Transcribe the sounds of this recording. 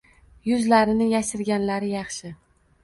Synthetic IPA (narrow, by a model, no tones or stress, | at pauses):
jʊzlaɾɪnɪjaʃɪɾɡʲanlaɾɪjɑχʃɪ